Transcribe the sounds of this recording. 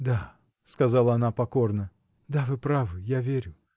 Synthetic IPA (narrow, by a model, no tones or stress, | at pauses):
d̪a | skɐzalˠəɐn̪apɐko̞rnə | d̪avɨpɾavɨjavʲeɾʲʊ